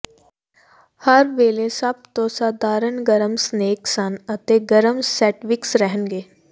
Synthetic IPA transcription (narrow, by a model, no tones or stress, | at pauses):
hɐɾʋeːlesɐb̚t̪oːsaːd̪aːɾəɳɡəɾəmsneːksanət̪eɡəɾəmsɛːʈʋɪksɾɛɦənɡeː